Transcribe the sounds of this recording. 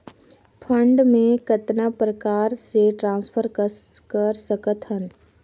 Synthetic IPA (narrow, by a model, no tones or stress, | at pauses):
pʰə̃ɳɖmẽkət̪napɾəkaːɾseʈɾãːnspʰəɾkəkəɾsəkət̪ɦən